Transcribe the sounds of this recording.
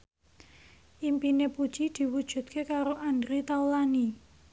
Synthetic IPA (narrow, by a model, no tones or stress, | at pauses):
ʔimpinepud̥t͡ʃid̪̥i̤wud̥ʒ̥ṳt̪̚kʰekaɾoʔand̪ɾit̪aulani